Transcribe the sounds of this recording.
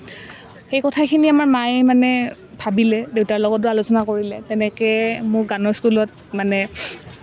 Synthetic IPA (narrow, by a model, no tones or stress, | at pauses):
xejkɔtʰakʰiniamaɹmajmanɛ | bʱabilɛdewtaɹlɔɡɔt̚dʊalosɔnakoɹilɛtɛnɛkɛmʊɡanɔɹskulɔt̚ | manɛ